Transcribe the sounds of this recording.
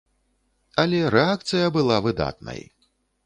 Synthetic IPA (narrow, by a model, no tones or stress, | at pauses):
ɐlʲɛɾɛak̚t̪sɨjɐbɨlˠavɨd̪a̰t̪̚nɐ̰j